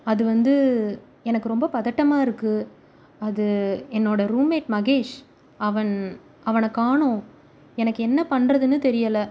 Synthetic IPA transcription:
ɐðɯʋɐnd̪ɯ | ɛnɐkːɯɾɔmbɐpɐðɐʈːɐmaːɪɾɯkːɯ | ɐðɯɛnːoːɽɐɾuːmeːʈ̚mɐɣeːʂ | ɐʋɐɳ | ɐʋɐnɐkːaːɳʊ̃ | ɛnɐkːɯɛnːɐpɐɳɾɐðɯnːɯt̪ɛɾɪjɐlɐ

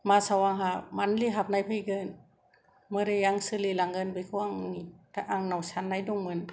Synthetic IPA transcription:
masawaŋɦamanliɦap̚najpʰɯjɡən | mɯɾɯjaŋsɯlilaŋɡɯnbɯjkʰuaŋnit̪ʰaʔaŋnawsʰanːajduŋmɯn

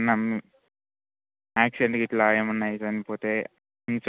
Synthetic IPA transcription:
nːɐm | aːksiɖeɳʈɡiʈlaːjɐmunːaːjid͡ʒɐnipoːt̪e̞ː | int͡ʃ

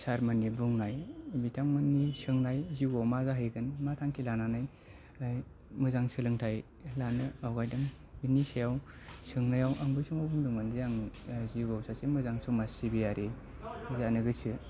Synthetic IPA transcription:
saɾmanːibuŋnajbitʰaŋmɯnːisɯŋnajziɡawmazaɦɯjɡɯnmatʰaŋkʰilananaj | aj | mɯzaŋsɯlɯŋtʰaj | lanɯawɡajdɯŋ | binisajaw | sɯŋnajawʔaŋbɯjsumawbuŋduŋɯnzjaŋziɡawsʰasemɯzaŋsɔmasibijaɾe | zanɯɡɯsɯ

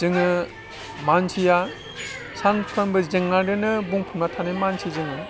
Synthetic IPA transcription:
zɯŋɯ | mansʰija | sʰanpʰɾambɯzɯŋːaɾɯnɯbuŋpʰunmatʰanemansʰizɯŋɯ

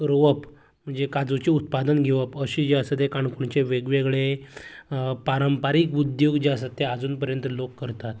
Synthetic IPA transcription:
ɾoʋəp | m̤əɳd͡zekad͡zut͡ɕiut̪̚pad̪ənɡʱeʋəpəɕid͡ʑeəsət̪ekaɳkuɳt͡ɕeʋeɡʋeɡɭe | paɾəmpaɾiːkud̪joɡd͡ʑeəsət̪ːead͡zuːnpəɾjənt̪əlokːəɾt̪at̪

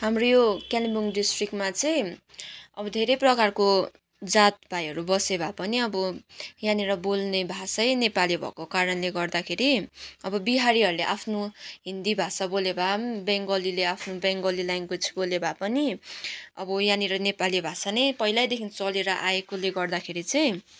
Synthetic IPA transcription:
ɦamrojokalibuŋɖisʈrikmat͡sʌj̃ | ʌbʌd̪ʱeɾʌjprʌkarko | d͡zat̪̚bʱajʌɾubʌsebʱapʌniʌbʌjãniɾʌbolnebʱasʌjnepalibʱʌ̰kokaɾʌnleɡʌrd̪akʰeɾiʌbʌbiɦaɾiɦʌɾuleʔapʰnoɦind̪ibʱasabolebʱabeŋɡʌlileapʰnobeŋɡʌlilajŋkot͡sʰi̥bolebʱapʌni | ʌbʌjaniɾʌnepalibʱasanʌjpʌjlajd̪ekʰint͡sʌleɾʌʔaekoleɡʌrd̪akʰeɾit͡sʌj̃

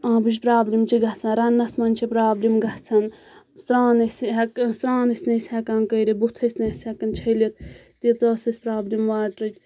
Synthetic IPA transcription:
ãːbiʃpɾaːblimt͡ʃʰiɡɐt͡sʰɐnɾɐnːɐsmɐnʲt͡ʃʰipɾaːblimɡɐt͡sʰɐn | st̪ɾaːnɐsʲɦɐkst̪ɾãːnɐsʲnɐsʲɛkaːnkəːɾibut̪ʰɐsʲnɐːsʲɛkːɐnt͡ʃʰɐjlit̪̚ | t̪it͡sɐːsɐsʲpɾaːblimʋaːʈɾɨt͡ʃ

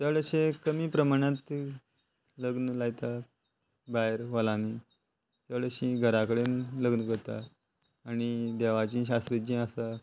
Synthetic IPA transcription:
t͡səɭəɕẽkəmiːpɾəmaɽ̃ãt̪ | ləɡnəlaɡt̪a | bajəɾʋalani | t͡səɭəɕĩɡʱəɾakəɽenləɡnəkəɾt̪a̰ː | ñid̪ɛʋat͡ɕĩːɕ̬ast̪ɾid͡ʑĩːəsa

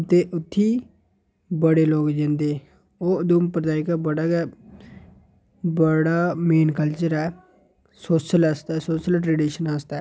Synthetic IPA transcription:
t̪eːʔʊt̪ʰːiː | bəɽeːloːɡd͡ʒẽːnd̪eː | oːd̪uːmpɾəd̪aːɪkabəɽaːɡɛː | bəɽaːmeːnkəlt͡ʃəɾɛː | soːʃəlast̪ɛːsoːʃəlʈɾeːɖiːʃənaːst̪ɛː

